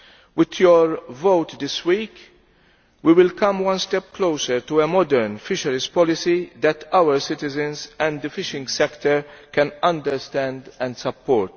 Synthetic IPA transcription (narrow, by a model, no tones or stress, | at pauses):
wɪd̪jɔɾvowt̪d̪ɪswiːk | wiwɪlkɐ̃mwɐ̃nst̪ɛpklowsəɾt̪uɛmɔd̪ɛɾnfɪʃɐɾɪspɔlɪsid̪ɛt̪ʰɐwəɾsɪt̪ɪzɛ̃nzɛ̃nd̪əfɪʃɪ̃ŋɡsɛkt̪əɾkɛ̃nɐ̃nd̪əɾst̪ɛ̃nd̪ɛ̃nd̪sɐpːɔːɾt̪